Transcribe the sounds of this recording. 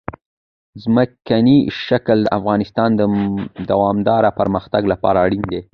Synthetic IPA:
zməkaniʃakld̪əʔafɣɑnɪst̪ɑnd̪əd̪awɑmd̪ɑɾapəɾməxt̪aɡlapɑ̰ɾaːɽind̪e

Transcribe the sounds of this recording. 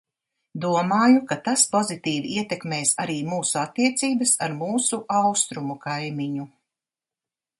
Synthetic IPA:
d̪uɔmaːjukat̪aspozit̪iːviiɛt̪ekmeːsaɾiːmuːsuat̪ːiɛt̪siːbɐsaɾmuːsuʔawst̪ɾumukajmiɲu

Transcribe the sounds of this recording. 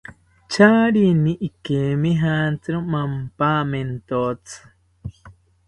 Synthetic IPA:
t͡ʃʰaːɾinĩʔikemĩɦant͡sɨɾõmampaːment̪ot͡sɨ̥

